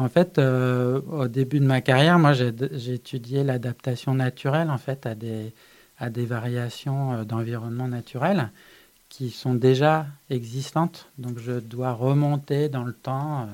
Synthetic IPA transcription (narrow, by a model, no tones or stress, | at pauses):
ɑ̃fɛt̪øod̪ebyd̪əmakaʁjɛʁmwaʒeʒeet̪ʰyd̪jelad̪ap̚t̪asjɔ̃nat̪ʰyʁɛlɑ̃fɛt̪ad̪e | ad̪evaʁjasjɔ̃ød̪ɑ̃viʁɔnmɑ̃nat̪ʰyʁɛl | kʲʰisɔ̃d̪eʒaɛɡzist̪ɑ̃t̪d̪ɔ̃kʒəd̪waʁəmɔ̃t̪ed̪ɑ̃lət̪ɑ̃ø